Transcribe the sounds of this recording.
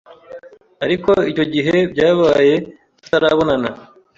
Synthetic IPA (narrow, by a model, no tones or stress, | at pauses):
aɾiko̞ico̞ɟiɦe̞bɟaːβaːje̞ | ku̥taɾaβo̞nana